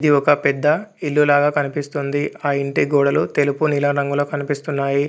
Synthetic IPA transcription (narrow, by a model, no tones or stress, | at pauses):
d̪iɔkɐpɛd̪ːɐilːulaːɡaːkɐnipist̪und̪iaːiɳʈiɡoːɽɐlut̪e̞lupunilɐːɾɐŋɡuloːkɐnipist̪unːaːji